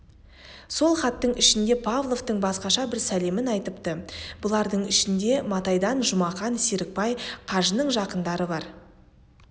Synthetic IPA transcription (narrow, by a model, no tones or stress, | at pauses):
so̞lˠχɑt̪ːəɴɪʃɪnd̪e̞pʰavlˠo̞vt̪əɴbɑsqɑʃɑbɪɾsæle̞mɪnɑjt̪əpt̪əbʊlˠɑɾd̪əɴɪʃɪnd̪e̞mɑt̪ɑjd̪ɑnʒʊmɑχɑnsiɾɪk̚pɑjqʰɑʒənəɴʒɑqənd̪ɑɾəbɑɾ